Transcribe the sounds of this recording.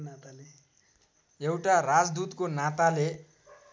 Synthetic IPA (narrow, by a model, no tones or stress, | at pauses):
nat̪ale | ewʈarad͡zd̪ut̪konat̪ale